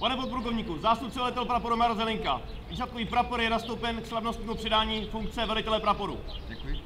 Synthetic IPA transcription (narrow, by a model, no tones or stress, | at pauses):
panɛpot̪̚pɾukovɲiːkuzaːst̪up̚t͡sɛvɛlɪt̪ɛlpɾapoɾumaɾlzɛlɪŋka̰ | viːsat̪̚koviːpɾapoɾjɛnast̪owpɛnkslavnost̪ɲiːmupr̥ɪdaːɲiːfuŋk̚t͡sɛvɛlɪt̪ɛlɛpɾapoɾṵ | ɛkj